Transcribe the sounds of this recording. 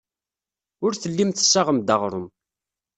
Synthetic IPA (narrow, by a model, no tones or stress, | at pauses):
ʊɾθəlːimθə̥sːaʁəmd̪əʁɾʊ̰m